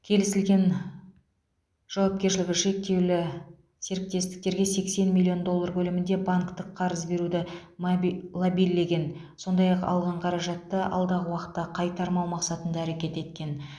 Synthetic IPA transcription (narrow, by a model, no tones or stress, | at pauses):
kʲʰe̞lɪsɪlɡʲe̞n | ʒ̥ɑwɑp̚kʲe̞ɾʃlɪɡʲɪʃe̞k̚t̪e̞wlɪ | se̞ɾɪk̚t̪e̞st̪ɪ̥k̚t̪e̞ɾɡʲe̞se̞kse̞nmilʲːio̞nd̪o̞lˠːɑɾbʰɵlɪmɪnd̪e̞baŋkt̪əqʰːɑɾəzbe̞ɾud̪ɪ | lˠabijlːe̞ɡʲe̞n | so̞nd̪ɑjɑqɑ̰lˠʁɑɴqʰɑɾɑʒɑt̪ːəɑ̰lˠd̪ɑʁəwɑqə̥t̪ːɑqʰɑjt̪ɑɾmɑwmɑqsɑt̪ənd̪ɑːɾe̞kʲe̞t̪e̞t̪kʲe̞n